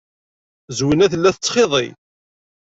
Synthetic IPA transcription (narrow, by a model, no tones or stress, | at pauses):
zwənæθəlːæθət͡sːχeðˤḛj